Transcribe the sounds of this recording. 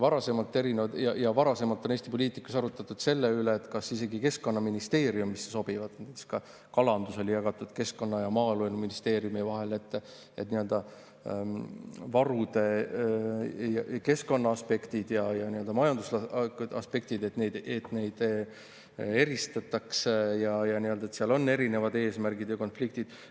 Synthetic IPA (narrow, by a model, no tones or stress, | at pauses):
vɑɾɑse̞mɑlt̪ːˑe̞ɾinevɑd̪jɑjɑvɑɾɑse̞mɑlt̪ːˑo̞nest̪ipo̞lʲiːt̪ˑikːˑu̥sɑɾut̪ːˑɑt̪ːˑud̪̥se̞lːeyleːt̪kɑsise̞ɡike̞sko̞nːɑminist̪e̞ːɾiumːisːeso̞b̥ivɑd̪t̪et̪ːskɑ | kɑlɑnd̪̥uso̞lʲijɑɡ̥ɑt̪ːˑud̪̥ke̞sko̞nːɑjɑmɑːelueluminist̪eːɾiumivɑɦe̞le̞t̪ːˑ | e̞t̪niø̞ld̪̥ɑ | vɑɾud̪̥e̞ | jɑke̞sko̞nːɑɑspe̞kt̪id̪̥jɑjɑniø̞ld̪̥ɑmɑjɑnd̪̥uslɑɑ̰spe̞k̚t̪id̪e̞t̪ne̞jd̪et̪ːˑne̞jd̪̥ | e̞ɾist̪ɑt̪ːˑɑksejɑjɑniø̞ld̪̥ɑet̪seɑlo̞nːe̞ɾine̞vɑd̪e̞ːsmærɡid̪̥jɑko̞nflikt̪id̪̥